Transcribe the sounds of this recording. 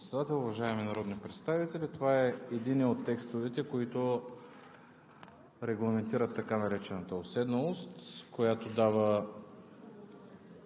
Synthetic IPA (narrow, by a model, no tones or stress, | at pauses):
t̪sɛd̪at̪ɛlˠʊvɐʒaɛminɐɾɔd̪nipɾɛt̪st̪avit̪ɛlit̪ovaɛːd̪inɛot̪ːɛkst̪ovɛt̪ɛkoit̪o | ɾɛɡlˠɐmɛnt̪iɾət̪ːɐkanɐɾɛt͡ʃɛnət̪əosɛd̪nolˠost̪kojat̪od̪avə